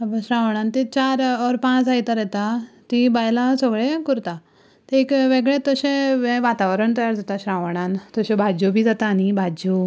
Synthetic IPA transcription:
əbəɕɾãʋəɳ̃ãnt̪it͡ɕaɾɔɾpãt͡sajt̪aɾɛt̪at̪ibajlasɔɡɭekuɾt̪a | t̪ekʋeɡɭẽt̪əɕẽʋẽʋat̪aʋəɾəɳt̪əjaɾd͡zat̪aɕɾaʋəɽ̃ant̪əɕebʱad͡ʑubʱid͡zat̪aːnibʱad͡ʑu

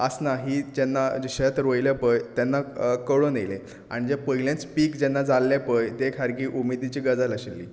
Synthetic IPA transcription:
əsnaɦiːd͡ʑɛnːad͡ʑiɕat̪ɾojljapəjt̪ɛnːakəɭonejle | a̰ɽ̃id͡ʑepəɦilẽt͡spiːkd͡ʑɛnːad͡zalːepəjt̪ekʰaɾɡiːʔumid̪it͡ɕiːɡəd͡zaləɕelːḭː

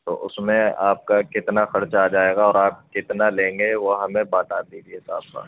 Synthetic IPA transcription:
t̪o̰ːʔʊsmẽaːp̚kakɪt̪naxɐɾt͡ʃaaːd͡ʒaːeːɡaɔːɾaːp̚kɪt̪nalẽːŋɡeʋoɦɐmẽbaːt̪aːd̪iːd͡ʒiesa̰ːbka̰ː

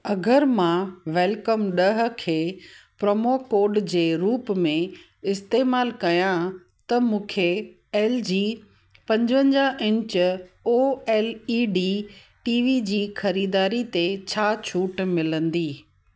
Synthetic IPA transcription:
ɐɡəɾmãʋɛːlkəmɗɐɦʊ̆kʰeːpɾɐmokoːɾɖd͡ʑeːɾuːpmẽ | ɪst̪eːmaːlkɐjã | t̪ɐmũːkʰe | ɛːld͡ʑiː | pɐ̃ɲd͡ʑʋə̃ɲd͡ʑaʔɪ̃ɲt͡ɕoːeːliːɖiː | ʈiːʋid͡ʑiːxɐɾiːd̪aːɾit̪et͡ɕʰaːt͡ɕʰuːʈmɪlə̃nd̪iː

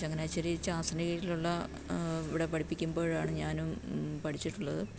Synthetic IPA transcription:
ɐŋːɐneaːjt͡ɕɐɾit͡ɕaːsɐnɐɣiiluɭːɐ | iʋiɽepɐʈʰipːikʲːumbo̞ːɻaːɳɨɲaːnumpɐʈʰit͡ɕːiʈːuɭːɐðɨ

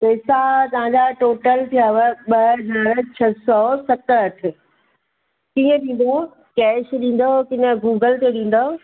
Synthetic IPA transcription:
pɛːsat̪ɐʋ̤ãɲd͡ʑaʈoːʈəlt̪ʰijaʋəɓɐɐzaːɾt͡ɕʰɐsɔːsɐt̪əɾɐʈʰɪ̆ | kĩːə̃ɗĩːn̆d̪o | kɛːʃɗĩːn̆d̪okɪnəɡuːɡəlt̪eɗĩːn̆d̪o

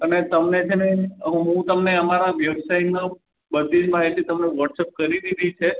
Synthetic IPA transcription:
ənet̪əmnet͡ʃʰeneɦũt̪əmneəmaɾaʋjəbsaina | bəd̪ʱid͡ʒmaɦit̪it̪əmneʋəʈsep̚kəɾiɾid̪ʱit͡ʃʰe

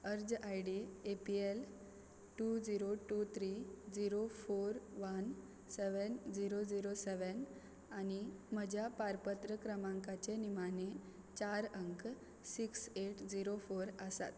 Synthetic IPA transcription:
əɾd͡zajɽiepiel | ʈud͡ziɾoʈut̪ʰɾid͡ziɾofoɾʋən | seʋənd͡ziɾod͡ziɾoseʋən | anim̤əd͡ʑʱjapaɾpət̪ɾəkɾəmaŋkat͡ɕenimane | t͡ɕaɾəŋk | sikseʈd͡ziɾofoɾəsa̰t̪

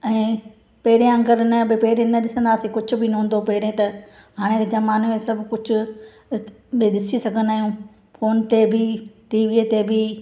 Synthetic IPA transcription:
ɛ̃ː | pɐɦɪɾijãɐ̃ŋɡəɾnɐbɪpɐɦɪɾẽnɐɗɪsə̃nd̪aːsikʊd͡ʑʱʊ̆bɪnɐɦũːnd̪opɐɦɪɾẽt̪ɐ | ɦaːɽ̃ẽkd͡ʑɐmaːnemẽsɐbʱkʊd͡ʑʱʊ̆ | bɪɗɪsisɐɡʱə̃nd̪aːɦijũ | foːnt̪ebʱɪʈiːʋiːt̪ebi

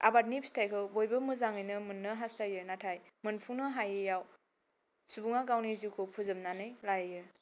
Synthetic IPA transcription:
a̰bat̚nipstʰajkʰɯbojbɯmɯzaŋɯjnɯmɯnːɯɦastʰajɯnatʰajmɯnpʰunɯɦajɯjaw | subuŋaɡawnizikʰopʰuzɯmnanɯjlajjɯ

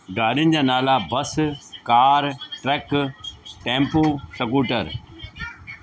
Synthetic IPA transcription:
ɡaːɾɪnɪ̆d͡ʑaːnaːlabɐskaːɾʈɾɛːk | ʈẽːmpoːsəkuːʈəɾ

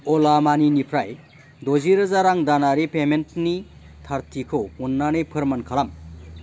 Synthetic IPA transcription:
ɔlamaninipʰɾaj | doziɾɯzaɾaŋdanaɾipementni | tʰaɾtʰikʰɯunːanɯjpʰɯɾmɐnkʰalam

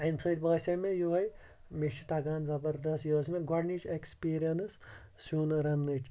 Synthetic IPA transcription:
ɐnsʰɐːʈ̪ʲbɐːsʲɐmẽjuɦɐj | met͡ʃʰit̪aɡaːnzɐbɐɾd̪ɐsjoːsmẽɡɔɾnit͡ʃekspiːɾijɐnsː | uːnɾɐnːɨʈʰʲ

